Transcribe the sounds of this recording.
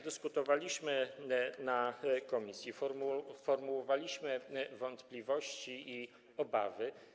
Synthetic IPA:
d̪ɘskut̪ɔvalʲiɕmɘnakɔmʲisʲjifɔmfɔɾmuwɔvalʲiɕmɘvɔnt̪plʲivɔɕt͡ɕiː | ɔba̰vɘ

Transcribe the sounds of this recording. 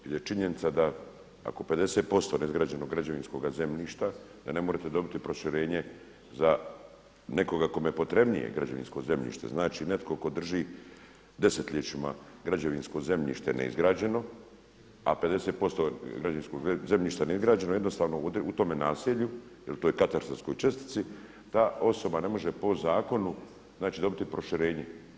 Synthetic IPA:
jeljet͡ʃiɲe̞nit̪sad̪a | a̰ko̞pe̞d̪e̞set̪̚po̞st̪o̞neizɡɾaːd͡ʑe̞noɡɾad͡ʑaʋinsko̞ɡaze̞mʎiːʃt̪a | d̪̥ane̞moɾet̪e̞d̪o̞bit̪ipɾo̞ʃiɾe̞ːɲe̞ | za | ne̞ko̞ɡako̞mejepo̞t̪ɾe̞bnḭjḛɡɾad͡ʑa̰ʋḭnsko̞ze̞mʎḭʃt̪e̞̰znaːt͡ʃine̞t̪kʰo̞ko̞d̪r̩ʒi | d̪e̞se̞t̪ʎet͡ʃima̰ɡɾad͡ʑaʋinsko̞ze̞mʎḭʃt̪enḛḭzɡɾaːd͡ʑe̞no̞ | a̰ped̪eset̪̚po̞st̪oɡɾad͡ʑainskoɡzemʎiːʃt̪aneizɡɾaːd͡ʑenojed̪nost̪aːʋnout̪o̞menaːsiʎu | jelt̪oːjkat̪aɾst̪ɾasko̞jt͡ʃest̪i̥t̪si | t̪aːo̞so̞bane̞mo̞ʒepo̞zaːko̞nu | znaːt͡ʃiːd̪o̞bit̪ipɾo̞ʃiɾeːɲe

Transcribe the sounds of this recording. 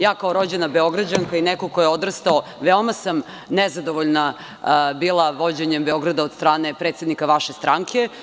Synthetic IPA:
jaːkaoɾo̞d͡ʑenabeo̞ɡɾad͡ʑaŋkainekokojeod̪rst̪aoʋeomasam | nezad̪oʋoʎna | biːlˠaʋo̞d͡ʑeɲembeo̞ɡɾad̪ao̞d̪st̪ɾaːne̞pɾet̪sed̪nikaʋaʃe̞st̪ɾaŋkʰe̞

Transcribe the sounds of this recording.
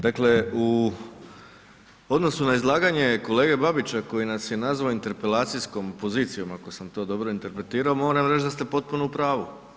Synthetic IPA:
d̪akle̞u | o̞d̪no̞sunaizlˠaːɡaɲe̞ko̞le̞ːɡe̞babit͡ɕako̞jinasjenazʋaoint̪e̞ɾpe̞laːt̪sijsko̞mpo̞ziːt̪sijo̞mako̞samt̪o̞ːd̪o̞bɾo̞int̪e̞ɾpɾe̞t̪iːɾao̞mo̞ɾamɾet͡ʃd̪ast̪e̞po̞t̪̚punoupɾaːʋu

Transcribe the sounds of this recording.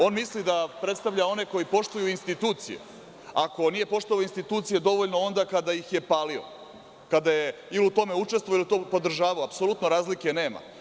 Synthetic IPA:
o̞nmislid̪apɾe̞t̪st̪aʋʎao̞ne̞ko̞jipo̞ʂt̪ujuinst̪it̪uːt̪sḭjḛ | ako̞nije̞po̞ʂt̪uaoinst̪it̪uːt̪sije̞d̪o̞ʋoʎno̞o̞nd̪akad̪ajixje̞paːlio̰ | kad̪ajeiliut̪o̞me̞ut͡ʂest̪ʋoilit̪o̞po̞d̪r̩ʒaːʋaoapsolˠut̪no̞ɾaːzlikene̞ːma̰

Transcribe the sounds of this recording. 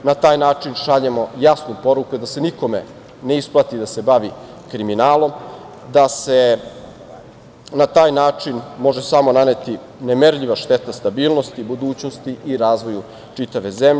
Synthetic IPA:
nat̪aːjnaːt͡ʂinʃaʎe̞mo̞jasnupo̞ɾukud̪ase̞niko̞me̞̰ | neisplˠat̪id̪ase̞baʋi | kɾiminaːlo̞m | d̪ase̞ | nat̪aːjnaːt͡ʂinmo̞ʒe̞samo̞nanet̪i | nemeɾʎiʋaʃt̪e̞t̪ast̪abiːlˠno̞st̪ibud̪uːt͡ɕno̞st̪iʔiɾaːzʋo̞ju | t͡ʂit̪aʋe̞zem

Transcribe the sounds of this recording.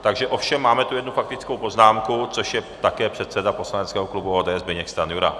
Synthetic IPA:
t̪aɡʒɛʔo̞fʃɛmːaːmɛt̪ujɛd̪nufak̚t̪ɪt͡skowpo̞znaːmkut͡so̞ʃjɛt̪akɛːpr̥ɛt̪sɛdapo̞slanɛt͡skɛːɦoklubuoːd̪ɛːɛzbɛɲɛkst̪anjuɾa̰

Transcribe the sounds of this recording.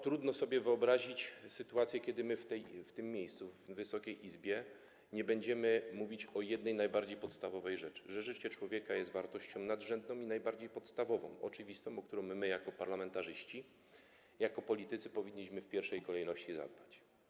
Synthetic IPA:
t̪ɾud̪nɔsɔbʲjɛvɘɔbɾaʑit͡ɕsɘt̪uat̪sʲjɛkʲɛd̪ɘmɘft̪ɛjft̪ɘmːʲjejst̪suvːɘsɔkʲejʔizbʲjɛ | ɲɛbɛɲd͡ʑɛmɘmuvʲit͡ɕɔjɛd̪nɛjnajbaɾd͡ʑejpɔt̪st̪avɔvɛjʐɛt͡ʂɘ̥ʐɛʐɘt͡ɕɛt͡ʂwɔvʲjɛkajɛst̪vaɾt̪ɔɕt͡ɕɔ̃w̃nad̪ʐɛnd̪nɔ̃w̃inajbaɾd͡ʑejpɔt̪st̪avɔvɔ̰̃w̃ʔɔ̰t͡ʂɘvʲist̪ɔ̃w̃ɔk̚t̪uɾɔ̃wmmɘjakɔpaɾlamɛnt̪aʐɘɕt͡ɕi | jakɔpɔlʲit̪ɘt̪sɘpɔvʲiɲːiɕmɘfpʲjɛɾfʂɛjkɔlɛjnɔɕt͡ɕiza̰d̪̚bat͡ɕ

